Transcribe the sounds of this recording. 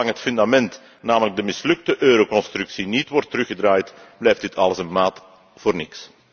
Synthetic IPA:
ɑŋɦətfʏndamɛnt | naːmələɡ̚dəmɪslɵk̚təʔøːɾowkɔnst̪ɾʉksinitʋɔrtːəɾɵxədraːjtblɛjfdɪtʰɑ̰ləsənmaːt | v̥oːrnɪks

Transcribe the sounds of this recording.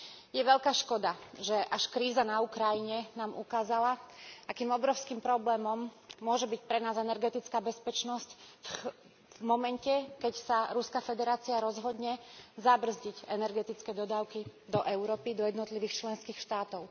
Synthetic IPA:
jɛʋɛʎkaːʃkɔd̪aʒɛʔaʃkɾiːzanaukɾajiɲɛnaːmʔukaːzalaʔakiːmɔbɾɔʊskiːmpɾɔblɛːmɔmːʊɔʒɛbic̚pɾɛnaːzɛnɛɾɡɛt̪it͡skaːbɛspɛt͡ʃnɔscf | mɔmɛncɛkɛcsaɾuskafɛd̪ɛɾaːt͡siaɾɔzɦɔd̪ɲɛzabr̩zɟiɟɛnɛɾɡɛt̪it͡skɛːd̪ɔd̪aːʊkid̪ɔʔɛʊɾɔːpid̪ɔjɛd̪nɔt̪liʋiːxt͡ʃlɛnskiːxʃt̪aːt̪ɔʊ

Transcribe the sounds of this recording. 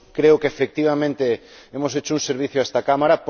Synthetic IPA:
kɾeokeefek̚t̪iβ̞amẽnt̪e | emoset͡ʃouŋseɾβ̞iθjoaest̪akamaɾap

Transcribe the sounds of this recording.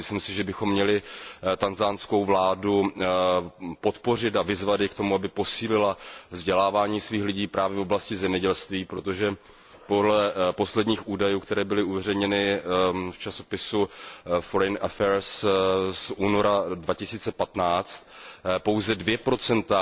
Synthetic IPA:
mɪslɪmsɪʒɛbɪxo̞mːɲɛlɪt̪anzansko̞wvlaːdu | po̞t̪po̞r̝ɪt̪̬avɪzvad̪jɪkt̪o̞muabɪpo̞siːlɪlavzɟɛlaːvaːɲiːsviːxlɪɟiːpɾaːvjɛfoblascɪzɛmɲɛɟɛlst̪viːpɾo̞t̪o̞ʒɛ | po̞dlɛpo̞slɛdɲiːxʔuːdajuːkt̪ɛɾɛːbɪlɪuvɛrɛjɲɛnɪft͡ʃaso̞pɪsufoɾɛjnʔafɛɾssʔuːno̞ɾadvacɪsiːt͡sɛpat̪naːt͡st̪po̞wzɛdvjɛpɾo̞t͡sɛnt̪a

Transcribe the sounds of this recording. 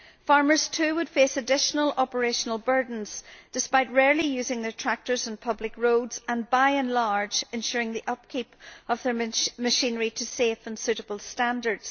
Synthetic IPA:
faɹmə˞z̥tʰʉːwəd̥fesədɪʃənəlˠɔpə˞eʃənəlˠbɜ˞dⁿn̩z̥d̥ɪspaɪt̚ɹɛɹlˠijʉːzɪ̃ŋðə˞tʰɹ̥ak̚tə˞zə̃npʰʌblɪkɹodzə̃nbaɪɨ̃nlaɹd͡ʒɪ̃nʃʉɹɪ̃ŋðiʔʌp̚kʰipəvðə˞məʃĩnəɹiɾʰəsefə̃nsʉɾəbəl̩ˠstãndə˞dz̥

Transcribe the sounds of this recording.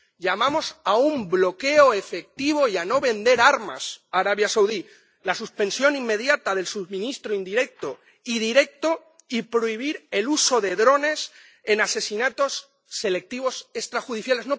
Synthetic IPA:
ʎamãmo̞saumblo̞ke̞oe̞fe̞k̚t̪iβ̞o̞iano̞βe̞nd̪e̞ɾaɾma̰saɾaβjasawði | lasuspe̞nsjo̞nimːe̞ðjat̪aðe̞lsuβmĩnist̪ɾoind̪iɾe̞k̚t̪o̞ | iðiɾe̞k̚t̪o̞ | ipɾoiβ̞iɾe̞lusoðe̞ðɾo̞ne̞s | e̞nase̞sinat̪o̞sː | e̞le̞k̚t̪iβ̞o̞se̞st̪ɾaxuðiθjale̞zno̞

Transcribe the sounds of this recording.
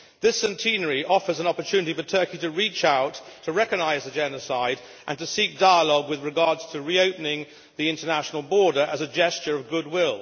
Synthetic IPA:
ðɪsɛ̃ntʰĩnə˞iʔɔfə˞zə̃nɑpə˞tʰʉnɨɾifə˞tʰɜ˞kiɾɨɹit͡ʃaʊtʰːəɹɛkɨɡ̚naɪzðɨd͡ʒɛnɨsaɪd | ʔɨ̃ntɨsik̚d̥aɪəlɔɡwɨðɹɨɡɑɹdz̥tʰɨɹioʊpn̩ɪ̃ŋ | ðiɪ̃ntənæʃn̩l̩ˠbɔɹɾə˞ʔəzɨd͡ʒɛst͡ʃə˞ʌvɡʊd̚wɪlˠ

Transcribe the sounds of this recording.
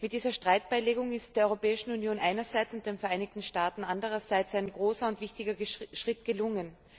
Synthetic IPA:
mɪt̚d̥iːzɐʃtʁ̥aɪt̚b̥aɪleːɡʊŋɪst̚d̥eːɐɔʏʁopɛːɪʃn̩unjoːnʔaɪnɐzaɪt͡sʊnt̚d̥eːnfɛɐʔaɪnɪçtn̩ʃtaːtn̩ʔandəʁɐzaɪt͡saɪnɡʁoːsɐʊntv̥ɪçtɪɡɐʃʁ̥ɪtɡ̥əlʊŋən

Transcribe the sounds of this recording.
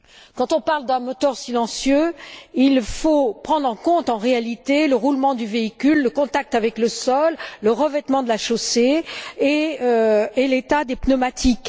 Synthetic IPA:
kɑ̃t̪ɔ̃paʁld̪ɛ̃mɔt̪œʁsilɑ̃sjøilfopχɑ̃d̪ʁɑ̃kɔ̃t̪ɑ̃ʁealit̪eləʁulmɑ̃d̪yveikʲylːəkɔ̃t̪ak̚t̪avɛkləsɔlːəʁəvɛt̪mɑ̃d̪əlaʃoseː | øelet̪ad̪epnɔmat̪ʰik

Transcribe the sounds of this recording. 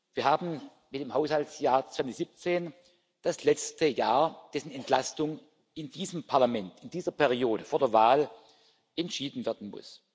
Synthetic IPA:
v̥iːɐhaːbn̩ | mɪt̚d̥eːmhaʊshaltsjaːɐt͡sv̥anz̥ip̚t͡seːn | d̥aslɛt͡stəjaːɐd̥ɛsn̩ɛntlastʊŋ | ɪndiːzəmpʰaɐlamɛntɪndiːzɐpʰɛʁioːɾəfoːɐdːɐvaːl | ɛntʃiːdn̩vɛɐdn̩mʊ̰s

